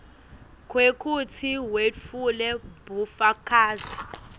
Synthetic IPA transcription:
kʰwekʰutʰiwet͡fʰulɛbufakʰaːzi

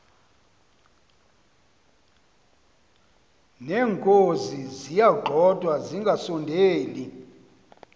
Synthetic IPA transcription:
nɛːŋkʼozizijaɡ͡ǃʱɔdʼʱwaziŋɡʱasɔndʱeːli

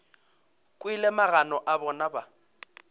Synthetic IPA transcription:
kʼwilɛmaɣanɔʔabɔnaba

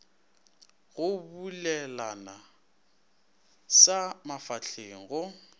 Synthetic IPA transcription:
ɣʊbulɛlana | samafaɬʰeŋ̩ɣʊ

